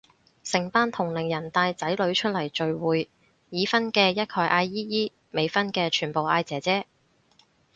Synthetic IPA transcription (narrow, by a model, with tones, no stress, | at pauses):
sɪ˨˩ŋpaː˧˥nt̪ʰʊ˨˩ŋlɪ˨˩ŋjɐ˨˩nt̪aː˧jt͡sɐ˨˥jlɵ˨˧ɥt͡ʃʰɵ˥t̚lɐ˨˩jt͡ʃɵ˨˧ɥwuː˨˧j | jiː˨˧fɐ˥nkɛː˧jɐ˥t̚kʰɔː˨˧jʔaː˧jːiː˥jiː˥ | me˨˧jfɐ˥nkɛː˧t͡ʃʰyː˨˩npo˨wʔaː˧jt͡sɛː˨˥t͡sɛː˥